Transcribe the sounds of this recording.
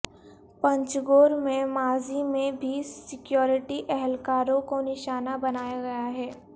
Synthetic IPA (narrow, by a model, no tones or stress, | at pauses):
pɐ̃ɲt͡ʃɡoːɾmẽmaːzimẽbʱisɪkjoːɾɪʈiʔɛɦɛlkaːɾõkonɪʃaːnabɐnaːjaɡɐjaɦɛː